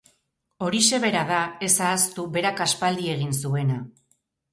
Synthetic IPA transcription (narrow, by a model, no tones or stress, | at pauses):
o̞ɾise̞β̞e̞ɾaðae̞saːst̪uβe̞ɾakaspald̪ie̞ɣ̞insue̞na